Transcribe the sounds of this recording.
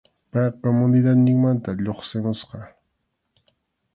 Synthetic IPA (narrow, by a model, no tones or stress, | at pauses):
pɑjkomʊnɪd̪at̪nɪŋmant̪aʎoχsɪmʊsqɑ